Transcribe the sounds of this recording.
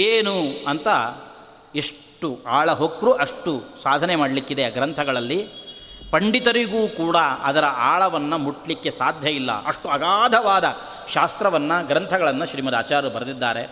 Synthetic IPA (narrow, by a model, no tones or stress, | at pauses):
eːnuɐnt̪ɐ | eʂʈuaːɭɐɦokɾuʔɐʂʈusaːd̪ʱɐnemaːɖɐlikːid̪eɡɾɐnt̪ʰɐɡɐɭɐlːi | pɐɳɖit̪ɐɾiɡuːkuːɽɐɐd̪ɐɾɐʔaːɭɐʋɐnːɐmuʈːlikːe̞saːd̪ʱjɐjilːɐ̰ɐʂʈuɐɡaːd̪ʱɐʋaːd̪ɐ | ʃaːst̪ɾɐʋɐnːɐɡɾɐnt̪ʰɐɡɐɭɐnːɐʃɾiːmɐd̪a̰ːt͡ʃaːɾɐɾubɐɾɐd̪id̪ːaːɾe̞